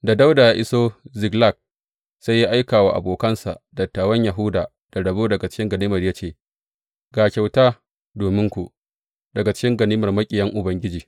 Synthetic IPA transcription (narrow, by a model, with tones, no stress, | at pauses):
da˨da˦wdaː˨jaː˦ʔɪ˦soː˦zɪ˨ɡla˦˨k̚ | sa˦jːa˦ʔa˦jkaː˨wa̰˨ʔa̰˨boː˨kɐ˦nsa̰˨ʔdɐ˨tːaː˨wɐ˦ɲja˨ɦʊ˦daː˨ | d̥a˨ɽɐ˨boː˦dɐ˨ɡa˨t͡ʃɪ̥˦kʲɪ˦ŋɡɐ˨niː˦mɐ˨rja˦t͡ʃeː˦˨ | ɡaː˨kʲa˨wtaː˦ | doː˨mɪ˦ŋkʷu˨ | dɐ˨ɡa˨t͡ʃɪ̥˦kʲɪ˦ŋɡɐ˨niː˦mɐ˨rmɐ˦kʲʼɪ˨jɐ˦ŋʔʊ˨bɐ˦ŋɡʲɪ˦d͡ʒiː˨